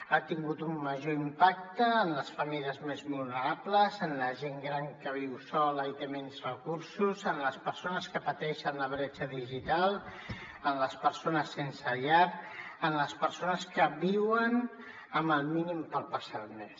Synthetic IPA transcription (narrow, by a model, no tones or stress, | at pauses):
at̪iŋɡut̪umməʒoimpak̚t̪əːnləsfəmiliəzmezβulˠnəɾapləzənləʒeŋɡɾaŋkəβ̞iwsɔləit̪emenzrəkuɾsuzənləspəɾsonəskəpət̪ɛʃənləβ̞ɾɛt͡ʃəðiʒit̪alˠ | ənləspəɾsonəsːensəʎaɾənləspəɾsonəskəβiwən | əmbəlˠminimpəlˠpəsat̪mes